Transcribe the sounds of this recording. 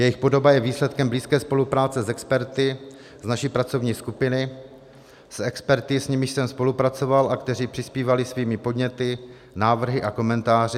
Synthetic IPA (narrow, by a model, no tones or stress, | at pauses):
jɛjɪxpo̞do̞bajɛviːslɛt̪kɛmbliːskɛːspo̞lupɾaːt͡sɛzɛkspɛɾt̪ɪ | znaʃipɾat͡so̞vɲiːskupɪnɪ | sɛkspɛɾt̪ɪsɲɪmɪʃsɛmspo̞lupɾat͡so̞valʔakt̪ɛriːpr̝̥ɪspiːvalɪsviːmɪpo̞dɲɛt̪ɪ | naːvr̩ɦɪʔako̞mɛnt̪aːr̝ɪ